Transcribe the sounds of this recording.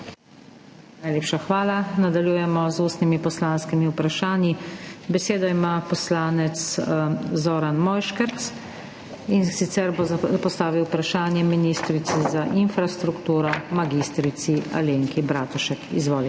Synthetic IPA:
najleːpʃaxʋaːlanad̪aljuːjɛmɔzuːst̪nimipɔslanskimiwpɾaʃaːnjibɛseːd̪ɔimapɔslaːnɛt̪s | zoːɾanmɔːjʃkəɾt̪s | insit̪sɛɾbopɔst̪aːʋiwpɾaʃaːnjɛminist̪ɾit̪sɛzaʔinfɾast̪ɾukt̪uːɾɔmaɡiːst̪ɾit̪sia̰leːŋkibɾaːt̪uʃɛkizʋɔːli

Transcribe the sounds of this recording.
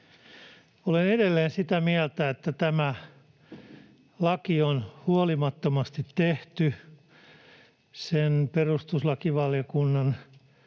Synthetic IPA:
oleneɾelːeːnsit̪æmiælt̪æet̪ːæt̪æmæ | lɑkionhuolimɑt̪ːomɑst̪it̪teht̪y | senperust̪uslɑkiʋɑlijokunːɑn

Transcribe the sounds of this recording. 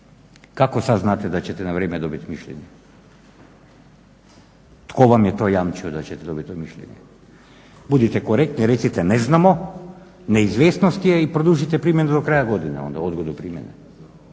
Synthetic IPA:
kakɔsaznat̪ɛd̪at͡ʃɛt̪ɛnavɾɛmɛd̪ɔbit̪miʃlɛ̰ɲɛ | t̪kɔvamjɛt̪ɔjamt͡ʃiɔd̪at͡ʃɛt̪ɛd̪ɔbit̪ɔɛmiʃlɛ̰ɲɛ̰ | bud̪it̪ɛkɔɾɛk̚t̪niɾɛsit̪ɛnɛznamɔ | nɛizvɛsnɔst̪iɛipɾɔd̪uʒit̪ɛpɾimɛnad̪ɔkɾajaɡɔd̪ina̰ɔ̰nd̪a̰ɔd̪ɡɔd̪upɾimɛ̰nɛ

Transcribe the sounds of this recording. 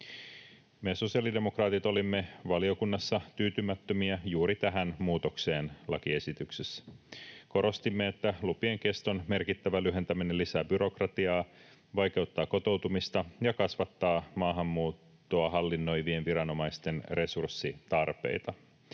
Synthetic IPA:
meso̞siɑlide̞mo̞krɑːt̪it̪o̞limːe̞ʋɑlio̞kunːɑsːɑt̪yːt̪ymæt̪ːømiæjuːɾit̪æɦænmuːt̪o̞kse̞ːnlɑ̰kie̞sit̪yksesːko̞ɾo̞st̪imːeet̪ːælupieŋke̞st̪o̞nme̞rkit̪ːæʋælyɦe̞nt̪æmine̞lːisæːbyɾo̞krɑt̪iɑː | ʋɑjk̟e̞ut̪ːɑːko̞t̪o̞wt̪umist̪ɑjɑkɑsʋɑt̪ːɑːmɑːɦɑmːuːt̪ːoɑɦɑlːinːo̞jʋie̞nʋiɾɑno̞mɑjst̪e̞nre̞sursːit̪ɑrpḛjt̪ɑ

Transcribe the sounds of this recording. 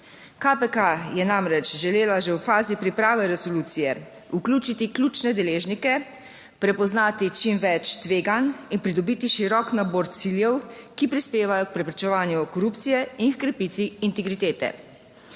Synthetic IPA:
kapɛkajɛnamɾɛt͡ʃʒɛleːlaʒɛwfaːzipɾipɾaːʋɛɾɛsɔluːt̪sijɛ | uklʲuːt͡ʃit̪iklʲuːt͡ʃnɛd̪ɛleːʒnikɛ | pɾɛpɔznaːt̪it͡ʃimʋɛt͡ʃt̪ʋeːɡaninpɾid̪ɔbiːt̪iʃiɾɔknabɔɾt̪siljɛwkipɾispeːʋajɔk̚pɾɛpɾit͡ʃɛʋaːnjukɔɾuːp̚t̪sijɛinxkɾɛpit̪ʋiːnt̪ɛɡɾit̪eːt̪ɛ̰

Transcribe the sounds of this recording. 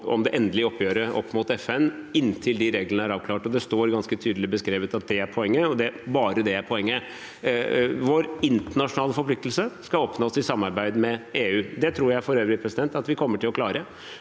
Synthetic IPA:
ɔ̰md̪ɛʔɛnd̪əlɪɔpʰːjøːɾəʔɔ̰pːmʊt̪ɛfɛnːɪnːt̪ʰɪld̪ɪɾeːɡlənəæɾɑːʋkʰlɑːʈɔd̪ɛst̪oːɾɡɑnskət̪ʰyːd̪lɪbəskɾeːʋət̪ɑt̪̚d̪ɛæɾpʰɔɛŋːəɔd̪ɛbɑːɾəd̪ɛæɾpʰɔɛŋːə | ʋoːɾɪnt̪əɳɑʂʊnɑːləfɔɾpflɪk̚t̪əl̩səskɑoːpnoɔsɪsɑmːɑɾbæɪd̪mɛeːʉːd̪ɛt̪ʰɾuːɾjæɪfɔɾøːʋɾɪpʰɾɛsɪd̪ɛnt̪ɑt̪ʋɪkʰɔmːəʈʰɪlɔklɑːɾə

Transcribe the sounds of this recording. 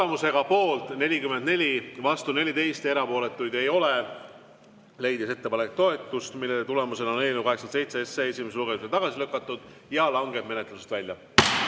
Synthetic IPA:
t̪emuse̞ɡ̥ɑpo̞ːlt̪ˑne̞lʲikymend̪ne̞lʲivɑst̪une̞lʲit̪e̞jst̪e̞ɾɑpo̞ːle̞t̪ːˑujd̪e̞jo̞le | le̞jd̪ise̞t̪ːe̞pɑnekt̪o̞e̞t̪ːˑust̪milːelet̪ule̞muse̞nɑnelnukɑɦesɑnse̞jt̪se̞esːeesʲime̞s̬eluɡe̞miset̪ɑɡ̥ɑsiløkːˑɑt̪ːˑud̪̥ | jɑlɑŋɡe̞d̪me̞net̪ˑluse̥t̪vælʲjɑ̰

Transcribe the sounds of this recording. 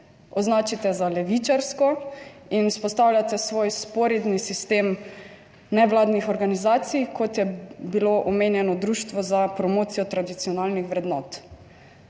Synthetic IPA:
ɔznaːt͡ʃit̪ɛzalɛʋit͡ʃaɾskɔ | inuspɔst̪awlʲjat̪ɛsʋoːjspɔɾid̪nisist̪eːm | nɛʋlaːd̪nixɔɾɡanizaːt̪sijkʰɔt̪jɛbiloʔɔmeːnjɛnɔd̪ɾuːʃt̪ʋɔzapɾɔmoːt̪sijɔt̪ɾad̪it̪siɔnaːlnixʋɾɛd̪nɔ̰ːt̪

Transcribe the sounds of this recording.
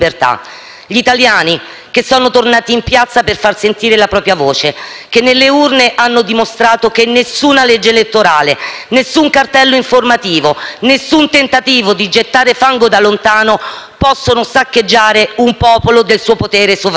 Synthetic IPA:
bert̪a̰ | ʎit̪aljaːni | kesːɔːnot̪ornaːt̪iːmpjat̪saperfarsent̪iːɾelapɾɔːpɾjavoːt͡ʃe | kenːelːeurneʔanːod̪imost̪ɾaːt̪okenːesuːnaled͡ʒːeelet̪ːoɾaːlenesːuŋkart̪ɛlːoiɱformat̪iːvonesunt̪ent̪at̪iːvod̪id͡ʒet̪ːaːɾefaŋɡod̪alːont̪aːno | pɔsːonosakːed͡ʒːaːɾeumpɔːpolod̪elsuːopot̪ɛːɾesov

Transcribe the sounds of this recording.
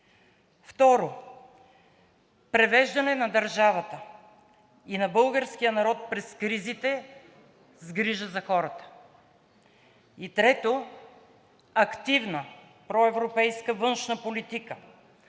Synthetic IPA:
ft̪ɔɾo | pɾɛvɛʒd̪ɐnɛnɐd̪ɐɾʒavət̪ə | inɐbɤlˠɡəɾskijənɐɾɔt̪̚pɾɛskɾizit̪ɛ | zɡɾiʒəzɐxɔɾət̪ə̥ | it̪ɾɛt̪o | ɐkt̪ivnə | pɾɔɛvɾopɛjskəvɤnʃnəpolit̪ikə

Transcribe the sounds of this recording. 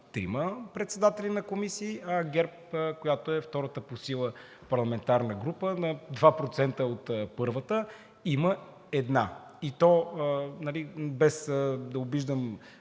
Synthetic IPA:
t̪ɾḭməpɾɛt̪sɛd̪at̪ɛlinɐkomisiːɐɡɛɾpkojat̪oɛft̪ɔɾət̪əposilˠə | pɐɾlˠɐmɛnt̪aɾnəɡɾupənɐd̪vapɾot̪sɛnt̪əot̪pɤɾvət̪ə | imə | ɛd̪na | it̪ɔnɐlibɛsd̪ɐobiʒd̪əm

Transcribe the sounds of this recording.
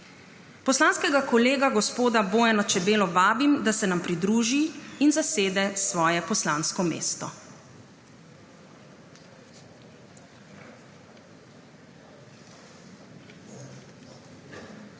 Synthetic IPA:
pɔslanskɛɡakɔleːɡaɡɔspoːd̪aboːjɛnat͡ʃɛbeːlɔʋaːbimd̪asɛnampɾid̪ɾuːʒiinzaseːd̪ɛsʋɔːjɛpɔslanskɔmḛːst̪ɔ

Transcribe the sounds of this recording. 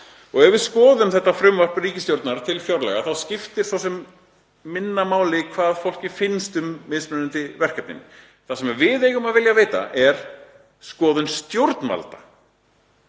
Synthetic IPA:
ɔɣɛvɪskɔːðʏmθɛht̪ːafɾʏmvar̥priːcɪst̪jowɾt̪naɾt̪ʰɪlfjɔɾlɛ̰ɣaθawscɪft̪ɪɾ̥θaws̬ɛmː | ɪnːamaːwlɪkʰvaːðfowl̥cɪfɪnst̪ʏmːɪspʏnʏnt̪ɪvɛr̥kɛp̪̚nɪ̰nɪ | θasɛmvɪðeːjɣʏmaðvɪljaveːjt̪a̰ʔɛɾ̥ | skɔːðʏnst̪jowɾt̪nma̰lt̪ḁ

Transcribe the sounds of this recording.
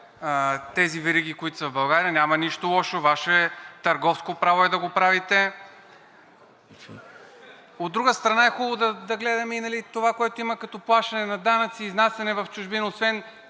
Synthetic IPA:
t̪ɛzivɛɾiɡ̟ikoit̪ʊ̥səvbɐlˠɡaɾiənʲamɐniʃt̪olˠɔʃovaʃɛɛt̪ɐɾɡɔfskopɾavoɛd̪ɐɡopɾavit̪ɛ | od̪ːɾuɡəst̪ɾɐnaɛxubˠod̪ɐd̪ɐɡlɛd̪ɐmɛinɐlit̪ovakoɛt̪oimɐkɐt̪ɔplˠaʃt̪ɐnɛnɐd̪anɐt̪siːznasɛnɛvɐft͡ʃʊʒbinosvɛn

